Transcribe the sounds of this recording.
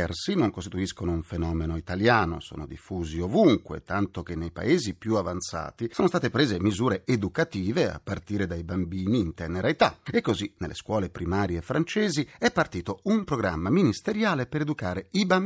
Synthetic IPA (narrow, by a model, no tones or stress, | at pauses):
ɛrsinoŋkost̪it̪uiskonouɱfenɔːmenoit̪aljaːno̰so̰ːno̰d̪ifːuːziovuŋkwḛt̪ant̪ok̟enːejpa̰eːzipjuavant̪sa̰ːt̪isoːnost̪aːt̪epɾeːzemizuːɾeed̪ukat̪iːvea̰pːart̪iːɾed̪ajbambiːniːnt̪ɛːneɾaet̪aekːozinelːḛskwɔːlepɾimaːɾjeːfːɾant͡ʃeːziɛpːart̪iːt̪oumpɾoɡɾa̰mːaminist̪eɾjaːlepeɾed̪ukaːɾeiba